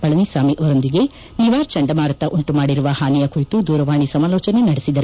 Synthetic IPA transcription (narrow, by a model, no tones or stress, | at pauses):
b̥ɐɭɐnisaːmiʔɐʋɐɾond̪iɡe̞ | niʋaːɾt͡ʃɐɳɖɐmaːɾɐt̪ɐʔuɳʈumaːɽiɾuʋɐhaːnijɐkuɾit̪ud̪uːɾɐʋaːɳisɐmaːlɔːt͡ʃɐne̞nɐɽesid̪ɐɾu